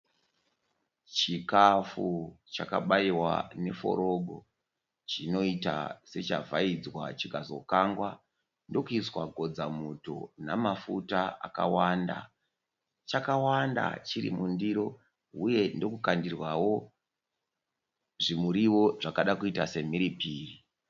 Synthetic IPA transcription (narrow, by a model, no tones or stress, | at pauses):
t͡ʃikafut͡ʃakaɓaiwa̰ne̞fo̞̰ɾo̞ɡʱo̞̰ | t͡ʃino̞ita̰se̞t͡ʃa̰vaid͡zwa̰t͡ʃikazo̞kaŋɡwa | ndo̞kuiswaɡʱo̞d͡zamuto̞̰namafutaa̰ka̰wanda̰ | t͡ʃakawanda̰t͡ʃirḭmundiɾo̞ | uje̞ndo̞kukandirwawo̞ | ʐimuɾiwo̞ʐakaɗakuitase̞miɾipiːri